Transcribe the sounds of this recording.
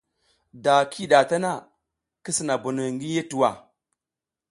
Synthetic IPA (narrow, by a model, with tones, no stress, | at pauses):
da˨kʰi˦ɗa˨ta˦na˦˨ | ki˦si˨na˨bu˨nu˨ŋɡi˦je˦tu˨wa̰˨